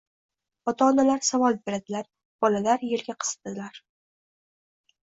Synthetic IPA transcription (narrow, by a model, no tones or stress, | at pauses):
ɒt̪ʰaɒnalaɾsavɒlˠbe̞ɾad̪ɪlaɾ | b̥ɒlalaɾjelɡʲaqʰɨ̥sd̪ɪlaɾ